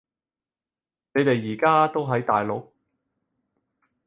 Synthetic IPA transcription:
ne˨˧jt̪e˨jːiː˨˩kaː˥t̪o˥wɦɐ˨˥jt̪aː˨jlo˨˥k̚

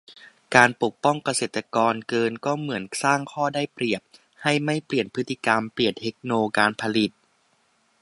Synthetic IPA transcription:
kaː˧npo˨˩k̚pɔ˥˩ŋka˧seː˨˩t̪a˧kɔː˧nkɤː˧nkɔː˥˩mɯ˩˦ənsaː˥˩ŋkʰɔː˥˩daː˥˩jpɾi˨˩əp̚ | ha˥˩jma˥˩jpli˨˩ənpʰɯ˦˥t̪ʰːi˧˩ka˧mpli˨˩ənt̪ʰe˦˥k̚noː˧kaː˧npʰa˧li˨˩t̪̚

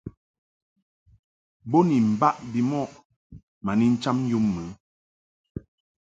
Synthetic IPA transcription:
bo˦ni˨m̩˨ba˦ʔbi˨mɔ˦˨ʔ | ma˨ni˦n̩˦t͡ʃa˦m˦ju˦mːə˨˦

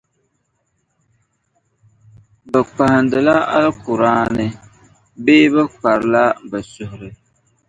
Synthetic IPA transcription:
bɛ˨k͡pa˨hɪ˨ndɨ˨la˦a̰˦lkʊ˨ɾaː˦nɨ˦ | beː˦bɛ˦k͡pa˨ɾla˦bɛ˨sʊ˨hʊ˨ɾɨ˨

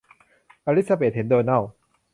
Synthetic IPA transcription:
ʔaː˧ɾi˦˥t̪̚sa˧beː˨˩t̪̚he˨˦ndəː˧na˥˩

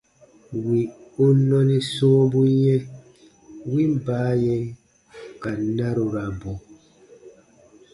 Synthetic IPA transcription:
wi˨u˦nɔ˦ni˦so˦bu˦jɛ˦ | wi˦m˦baː˨˦jɛ˦ | ka˨na˦ɾo˨ɾa˨bɔ˨

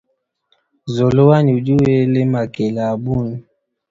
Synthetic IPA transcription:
zo˨lo˦wa˦ni˨u˨d͡ʒu˦we˦le˦ma˨ke˨la˨bu˦˨n˨

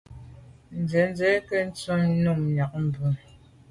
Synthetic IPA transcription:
n̩˨d͡zɛ˨˦n˦d͡zɛ˨˦kɛ˦n̩˦t͡so˦ŋ˦nu˦˨ŋɲa˨k̚m̩˨bʉ˨

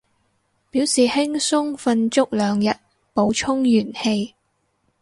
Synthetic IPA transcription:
piː˨˥wsiː˨˩hɪ˥ŋsʊ˥ŋfɐ˧nt͡ʃʊ˥k̚lœː˨˧ŋjɐ˨t̚ | po˨˥wt͡ʃʰʊ˥ŋjyː˨˩nhe˧j

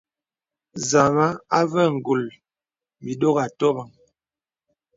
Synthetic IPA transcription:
za˨ma˦a˦və˦˨ŋ̩˨ɡu˨l | mi˨do˦ɣa˨tɔ˦ba˨ŋ

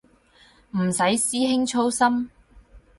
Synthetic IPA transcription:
m̩˨˩sɐ˨˥jsiː˥ɦɪ˥ŋt͡ʃʰo˥wsɐ˥m

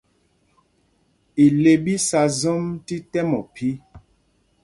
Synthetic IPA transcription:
i˨le˨bi˦sa˨zɔ˦mti˦tɛ˦mɔ˨pi˦

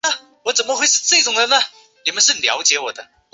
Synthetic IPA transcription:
wɔ˧˥t͡sə˨˩nmə˦xwe˥˧ɪʂɻ̩˥˧ʈ͡ʂɤ˥˩i˥˩ʈ͡ʂʊ˨˩ŋɻə˧˦nə˩ | ni˨˩mə˦nʂ̬ɻ̩˥˩ljɑ̰˧˥ʊt͡ɕjɛ˧˥wɔ˨˩d̪ə˦

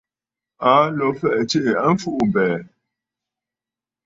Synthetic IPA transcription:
a˦lɔ˨˦fɛ˦ʔt͡ʃe˦ʔa˦ɱ̩˦fu˦ʔm˨bɛː˨

